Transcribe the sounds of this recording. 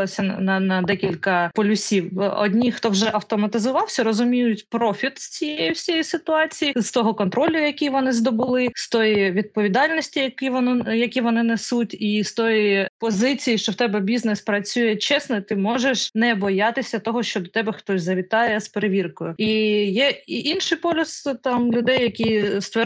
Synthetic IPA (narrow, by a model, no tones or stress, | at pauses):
ɐsʲɐnɐnɐd̪ɛkʲilʲkɐpɔlʲʊsʲiwɔ̰dʲnʲixt̪ɔwʒɛʔɐwt̪ɔmɐt̪ɪzʊʋɑwsʲɐɾɔzʊmʲijʊtʲpɾɔfʲit̪sʲt͡sʲijejʊsʲjjisɪt̪ʊɑt͡sʲijizt̪ɔɦɔkɔnt̪ɾɔlʲʊjɐkʲijʋɔnɪzd̪ɔbʊlˠɪst̪ɔjiʋʲid̪̚pɔʋʲid̪ɑlʲnɔsʲtʲijɐkiɔnjɐkʲiʋɔnɪnesutʲist̪ɔjipɔzɪt͡sʲijiʃt͡ʃɔwt̪ɛbɛbʲiznɛspɾɐt͡sʲujɛt͡ʃɛsnɔit̪ɪmɔʒeʃnɛbɔjɑt̪ɪsʲɐt̪ɔɦɔʃt͡ʃɔd̪ɔt̪ɛbɛxt̪ɔsʲzɐʋʲit̪ɑjɛspeɾeʋʲirkʊjʊijɛiʔinʃɪjpɔlʲʊst̪ɑmlʲʊd̪ɛjjɐkʲist̪ʋɛ